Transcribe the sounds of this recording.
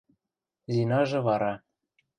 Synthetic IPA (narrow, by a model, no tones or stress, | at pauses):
zinɑʒɤ̆βɑɾɑ